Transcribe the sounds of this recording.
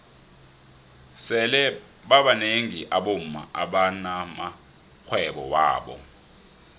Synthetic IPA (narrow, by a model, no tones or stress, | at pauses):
sɛlɛ | ɓaɓaneŋiʔaɓom̩ma̰ʔaɓanama | k͡xʰwɛɓɔ̰wa̰ːɓɔ̰